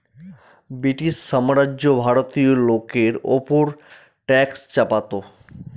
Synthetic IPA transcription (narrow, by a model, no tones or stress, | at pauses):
bɾiʈisːamɾad͡ʑobʱaɾot̪ijolokeɾo̰poɾ | ʈɛkst͡ɕapat̪o